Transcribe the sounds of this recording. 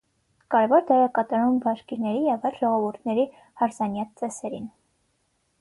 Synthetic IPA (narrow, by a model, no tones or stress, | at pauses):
kɑɾɛvɔɾd̪ɛɾɑkɑt̪ɑɾumvɑʃkiɾnɛɾijɛvɑjlʒɔʁɔvuɾt̪ʰnɛɾi | hɑɾzɑnjɑt̪̚t͡sɛsɛɾin